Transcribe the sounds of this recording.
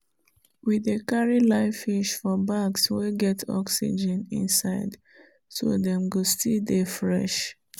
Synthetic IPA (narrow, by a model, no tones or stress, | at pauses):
wiðekaɹilaɪfiʃfɔbaɡsweɡɛtʰɔ̰ksḭd͡ʒɛ̃nḭ̃nsaɪd | so̰dɛ̃mɡostidefɹɛ̰ʃ